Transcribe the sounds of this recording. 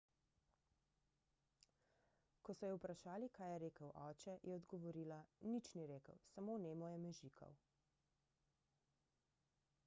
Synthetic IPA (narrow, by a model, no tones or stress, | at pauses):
kɔsɔjɛwpɾaʃaːlikaːjɛɾeːkəwʔɔːt͡ʃɛjʔɛɔd̪ɡɔʋɔɾiːlanit͡ʃniɾeːkə̰wsamoːneːmɔjɛmɛʒikɔ̰w